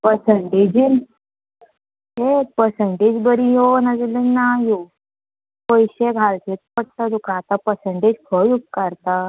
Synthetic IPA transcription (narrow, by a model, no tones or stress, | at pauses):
pəɾsəɳʈed͡ʑin | epəɾsəɳʈed͡ʑbəɾijonad͡zlenːajo | kojɕeɡʱalt̪ʰet̪̚pəɽ̚t̪ad̪ukãːt̪ãpəseɳʈed͡ʑfʰəjuɡ̚kaɾt̪a